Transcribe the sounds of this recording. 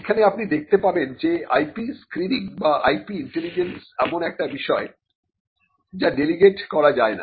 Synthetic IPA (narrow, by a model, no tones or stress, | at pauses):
ekʰaneapnid̪ek̚ʰt̪epabend͡ʑea̰jpiskɾiniŋbaʔa̰jpiiɳʈelid͡ʑensɛmonɛk̚ʈabiʃɔe | d͡ʑaɖeliɡeʈkɔɾad͡ʑaena̰